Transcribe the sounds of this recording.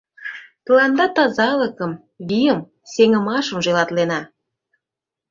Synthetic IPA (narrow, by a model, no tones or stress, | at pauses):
t̪əlɑnd̪ɑt̪ɑzɑlə̆kəm | βʲijəm | seŋə̆mɑʃə̆mʒolɑt̪lenɑ